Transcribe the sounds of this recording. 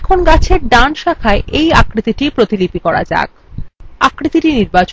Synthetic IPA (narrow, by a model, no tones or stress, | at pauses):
ɛkʰonɡat͡ɕʰeɾɖanʃakʰaeʔejakɾit̪iʈipɾot̪ilipikɔɾa̰d͡ʑa̰ɡ̚ | akɾit̪iʈiniɾbat͡ɕo